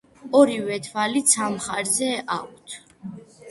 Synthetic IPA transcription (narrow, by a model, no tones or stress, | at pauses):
ɔɾivɛt̪ʰvalit̪sʰamχaɾzɛʔa̰k̚ʷʰt̪ʰ